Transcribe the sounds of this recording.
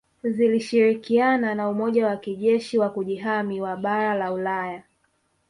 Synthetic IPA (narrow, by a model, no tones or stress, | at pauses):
ziliʃiɾikiananaumɔʄawakiʄɛʃiwakuʄiɦamiwaɓaɾalaulaja